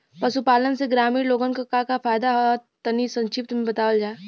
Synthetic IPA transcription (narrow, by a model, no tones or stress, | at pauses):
pɐsupaːlənseɡɾaːmiːɾloːɡənkakakafaːjd̪aɦoat̪ɐnisɐ̃nt͡ʃʰɪp̚t̪mẽbɐt̪aːʋəld͡ʒaːe